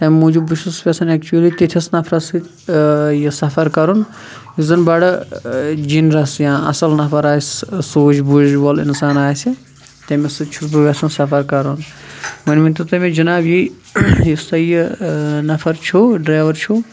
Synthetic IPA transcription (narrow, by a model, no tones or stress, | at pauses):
t̪ɐmmũd͡ʒubuʃuspʲesɐnɛkt͡ʃuɐlit̪et̪ʰʲisnɐfʰɾɐsɨ | jisɐfʰɐɾkɐɾun | jizɐnbɐɽ | d͡ʒinɾɐsjãːɐ̰sɐlnɐfʰɐɾaːssoːt͡ʃbuʒbolḭnsaːnaːjsi | t̪ɐmesɨt͡ʃʰusbɨʋɐsɐnsɐfɐɾkɐɾunmɐnmĩnt̪ut̪ɐmẽd͡ʒɐnaːbji | jist̪ɐjinɐfʰɐɾt͡ʃʰoɖɾaːʋɐɾt͡ʃʰu